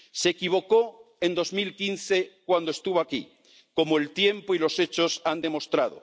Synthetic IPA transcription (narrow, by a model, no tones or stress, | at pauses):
se̞kiβ̞o̞ko | end̪o̞zmilkinθe̞kwand̪oest̪uβoakḭ | ko̞moelt̪je̞mpoilo̞se̞t͡ʃo̞sand̪e̞mo̞st̪ɾað̞o̰